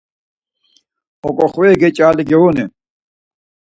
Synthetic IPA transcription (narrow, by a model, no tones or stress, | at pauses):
okoxweːɡet͡ɕaːliɡeoːne